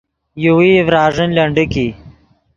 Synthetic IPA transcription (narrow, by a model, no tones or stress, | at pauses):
juwiːʋɾaːʐənlɐɳɖiki